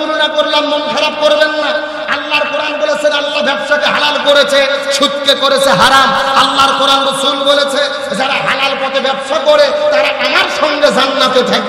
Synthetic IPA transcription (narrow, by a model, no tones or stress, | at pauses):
uɾonakoɾlanmonfʰaɾap̚koɾbenːa | alːaɾkɔɽanbolet͡ɕʰenalːabɛbʃat̪eɦalalkoɾet͡ɕʰeʃut̪kekoɾet͡ɕʰeɦaɾamalːaɾkɔɽanbusumbolet͡ɕʰe | d͡ʑaɾaɦalalpɔt̪ebɛbʃakɔɾet̪aɾaʔamaɾʃɔŋɡed͡ʑʱanːat̪et̪ʰake